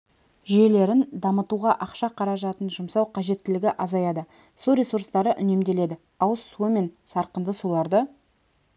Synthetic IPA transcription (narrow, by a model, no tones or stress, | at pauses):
ʒʏje̞le̞ɾɪnd̪ɑmət̪uʁɑʔɑqʃɑqʰɑɾɑʒɑt̪ənʒʊmsɑwqʰɑʒe̞t̪ːɪlɪɡʲɪʔɑzɑjɑd̪ə | suɾʲe̞suɾst̪ɑɾəʔʏne̞md̪e̞le̞d̪ɪ | ɑwəsːuəme̞nsɑɾqənd̪əsulˠɑɾd̪ə